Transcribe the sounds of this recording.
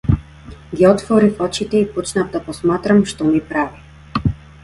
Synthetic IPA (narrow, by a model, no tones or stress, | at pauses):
ɡʲiɔt̪vɔɾifɔt͡ʃit̪ɛipɔt͡ʃnavd̪apɔsmat̪ɾamʃt̪ɔmipɾavi